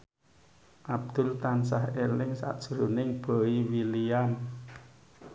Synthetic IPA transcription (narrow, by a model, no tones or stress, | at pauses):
ʔab̚d̪̥ʊ̤lt̪ans̬ahelɪŋsa̰ʔd̥ʒ̥ɾunɪŋb̥o̤iwilian